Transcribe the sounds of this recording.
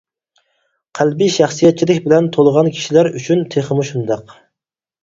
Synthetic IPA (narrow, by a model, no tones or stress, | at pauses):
qʰælbiʃɑχsijɛt̪̚t͡ʃʰilɪkʲbɪlɛnt̪ʰolˠəʁɑnkʲʰi̥ʃilæɾyt͡ʃʰynt̪ʰeχəmuʃund̪ɑq